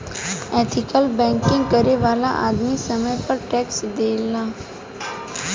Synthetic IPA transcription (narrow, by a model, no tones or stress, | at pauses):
ɛt̪ʰikəlbɛ̃ŋkĩŋɡkəɾeʋala̰ʔad̪misəməjpəɾʈɛksd̪elːa